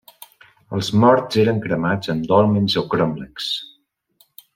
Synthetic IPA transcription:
əlˠzmɔɾz̥eɾəŋkɾəmad͡zəmd̪ɔlˠmenzokɾɔmlɛks

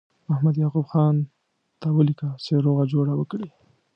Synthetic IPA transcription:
ahmad̪jɑqubxɑn | t̪awəlikəseɾoɣad͡ʒoɽawəkɽi

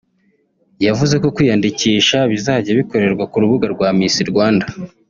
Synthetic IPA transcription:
javuze̞ko̞kwiːjandiciːʃaβizaːɟeβiko̞ɾe̞ɾɡwakuɾuβuɡaɾɡwaːmisiɾɡwaːnda

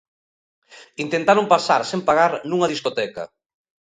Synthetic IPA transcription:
int̪ent̪aɾompasaɾsempaɣaɾnuŋɐðiskot̪ɛkɐ̰

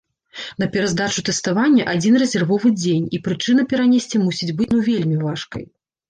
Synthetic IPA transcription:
nɐpʲɛɾazd̪at͡ʂut̪ɛst̪avanʲːɐʔad͡zʲinrɛzʲɛrvɔvɨd͡zʲenʲipɾɨt͡ʂɨnɐpʲɛɾanʲesʲt͡sʲimusʲid͡zʲbɨt͡sʲnuvʲelʲmʲivaʂkɐ̰j

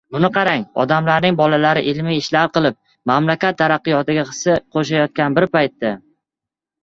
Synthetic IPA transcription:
bʊnɪqʰɑɾaŋɒ̰d̪amlaɾnɪŋbɒlalaɾɪʔɪlmiɪʃlaɾqɨlˠɪp̚ | mamlakʲat̪ʰːaɾɑqːɨjɒt̪ɪɡʲaχɨ̥sɪqʰoʃajɒt̪̚kʲanbɪɾpajt̪ːa

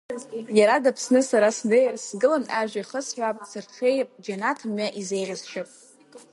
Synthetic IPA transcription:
jaɾadapʰsnɨsaɾasnejrsɡɨlanaʒʷᶣaiχəsħʷᶣap̚ʼsʰɨrχʲejpʼd͡ʒanatʰɨmɥaʔizejʁʲazʃɨpʼ

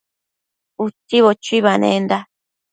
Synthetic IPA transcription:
ut̪ːiβot͡ʃuiβanḛnd̪a

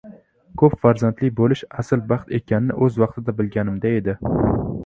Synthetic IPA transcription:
kʰɵpfaɾzant̪lɪk̚ʲbolɪʃasɪlbɑχt̪ʰe̞kʲʰannɪ̰ʔɵzwɑqt̪ʰɪd̪abɪlɡʲanɪmd̪ae̞d̪ɪ

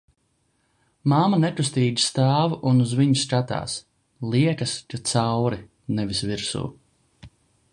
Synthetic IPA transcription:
maːmanɛkus̬t̪iːd̪i̥st̪aːvuʔunuzviɲuskat̪a̰ːs | lˠiɛkɐskat̪sawɾi | nɛvisviɾsṵː

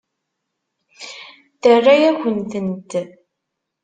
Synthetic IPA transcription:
θərːajæçʷənt̪ənt̪

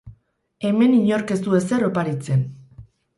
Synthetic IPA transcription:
e̞me̞niɲo̞ɾke̞st̪ue̞se̞ropaɾit͡se̞n

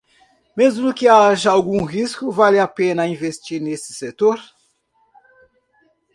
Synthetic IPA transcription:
mezmʊkɪaʒɐawɡũɦiskʊvalɪapẽnɐĩvest͡ʃiɾnesɪ̥set̪oɾ

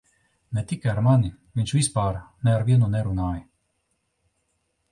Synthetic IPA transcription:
nɛt̪ikɛaɾmani | mint͡ʃuispaːɾnɛaɾvjenunɛɾunaːj

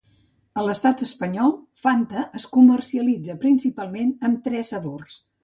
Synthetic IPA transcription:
ələst̪at̪əspəɲɔlˠ | fant̪əʔːskumərsiəlid͡zəpɾinsipalˠmenəmt̪ɾɛsəβors

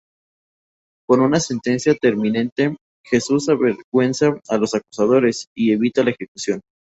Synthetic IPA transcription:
ko̞nunase̞nt̪e̞nsjat̪e̞ɾmĩnẽ̞nt̪e̞ | xe̞susaβeɾɣwe̞nsaːlo̞saku̥sað̞o̞ɾe̞sie̞βit̪alaexekusjo̞n

